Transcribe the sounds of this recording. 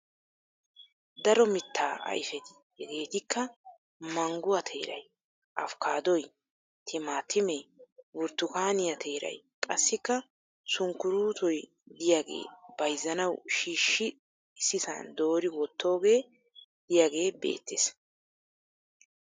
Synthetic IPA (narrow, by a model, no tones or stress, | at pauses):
d̪ɐɾɔmɪt̪ʰːaːʔɐ̰jfɛt̪ɪ̥ | hɛɡe̞ːt̪ɪkːɐ | mɐŋɡʊwɐt̪ʰe̞ːɾɐ̰j | ʔɐfkaːd̪ɔj | t̪ʰɪmaːt̪ːɪmewʊɾt̪ːʊkaːnɪjɐt̪ʰe̞ːɾɐ̰j | kʼɐsːɪkːɐ | sʊŋkːʊɾuːt̪ɔj | d̪ɪjaːɡe̞̰ːbɐjzːɐnɐwʃiːʃːɪ | sɪsɐ̰nd̪o̞ːɾɪwɔt̪ʰːo̞ːɡe̞ː | d̪̥ɪjaɡe̞ːbe̞̰ːt̪ːes